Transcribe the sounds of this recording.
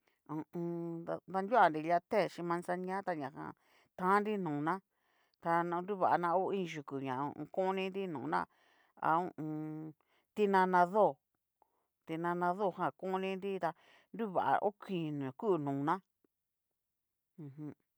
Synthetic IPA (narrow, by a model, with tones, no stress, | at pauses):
ũ˧ũ˧a˧nd̪a˧nd̪ʲu˦a˨nɾi˧la˧t̪e˦˨ʃĩ˧mã˧nsa˧ɲã˦t̪a˧ɲã˨hã̰˧˨ | t̪ã˦nɾi˦nũː˨nã˦ | t̪a˧nã˧ndu˦˨βa˨a˧nã˧o˦ĩ˦˧ʒu˨ku˨ɲã̰˨ṵ̃˧kõ˦nĩ˦˧nɾi˦nũː˨nã̰˦ | a̰˧ṵ̃˦˧ũ˧ | t̪i˧nã˧nã˧ðo˦˨ | t̪i˧nã˧nã˧ðo˦˨ɦã˧˨kõ˦˧nĩ˧˦nɾi˦t̪a˧ | ndu˦βa̰˨ʔa̰˨ʔo˦kʰĩ˨nũ˨ku˦˧˨nũː˨nã˦ | ũ˧ɦũ˧˦